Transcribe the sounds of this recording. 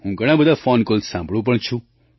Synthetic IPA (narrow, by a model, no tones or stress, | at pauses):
ɦũːɡʱəɽ̃ãːbəd̪ʱafɔːnkolsãːmbʱɽũp̬əɳt͡ʃʰũ